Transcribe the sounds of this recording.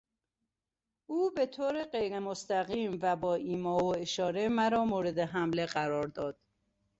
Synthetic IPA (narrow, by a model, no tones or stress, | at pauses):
ʔuːbe̞t̪ʰoːɾeɢejɾemost̪æɣiːmvæbɒːʔiːmɒːoeʃɒːɾemæɾɒːmoːɾe̞d̪eɦæmleɢæɾɒːɾd̪ɒːd̪̥̚